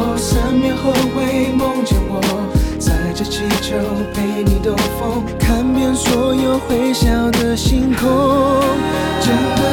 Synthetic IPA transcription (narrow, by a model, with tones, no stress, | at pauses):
sa˧˥nmɛ˧nxo˥˧ʊxwe˧˥ɪmo˥ŋt͡ɕɛ˧˥˩nwɔ˨˩ | t͡sa˧˩ɪʈ͡ʂə˧t͡ɕʰɛ˥˧˩t͡ɕjo˧˥ | pe˧˩ɪni˨˩d̪ə˧fo˥ŋ | kʰa˥npjɛ˥˧nswɔ˧˥jo˨˩ʊxwe˧˥ɪɕjɑ˨˩ʊd̪ə˨ɕi˥ŋkʰo˥ | ʈ͡ʂə˧˥nd̪ə˨